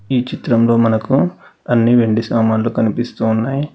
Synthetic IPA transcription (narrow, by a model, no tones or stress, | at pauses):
iːt͡ʃit̪ɾɐmlo̞ːmɐnɐkuɐnːiʋe̞ɳɖisaːmaːnlukɐnipist̪uːunːaːji